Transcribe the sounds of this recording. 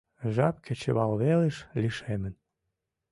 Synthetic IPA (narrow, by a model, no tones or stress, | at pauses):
ʒɑp̚kʰet͡ɕə̰̆βɑlβeleʃliʃemən